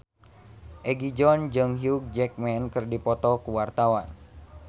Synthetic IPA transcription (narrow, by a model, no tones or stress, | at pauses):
ʔɛɡid͡ʒɔnd͡ʒɨŋɦiuk̚d͡ʒɛk̚mɛnkɨrdipɔt̪ɔkuwart̪awan